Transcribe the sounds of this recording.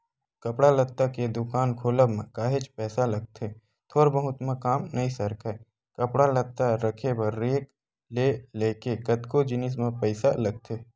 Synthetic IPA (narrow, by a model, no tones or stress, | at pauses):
kɐpɽalɐt̪ːaked̪ʊkaːnkʰoːləbmẽkaːɦet͡ʃpɛːsalɐɡ̚t̪ʰeː | t̪ʰoːɾbəɦʊt̪mãkaːmnɐisəɾkʰɛ | kɐpɽalət̪ːaɾəkʰebəɾːeːk | leːleːkekət̪kod͡ʒɪnɪs̬mẽpəɪsalɐɡ̚t̪ʰeː